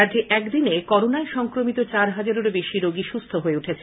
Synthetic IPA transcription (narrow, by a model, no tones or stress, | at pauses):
ad͡ʑeʔɛkd̪inekɔɾonaeʃɔŋkɾomit̪ot͡ɕaɾɦad͡ʑaɾoɾbeʃiɾoɡiʃust̪ʰoɦoeuʈʰet͡ɕʰe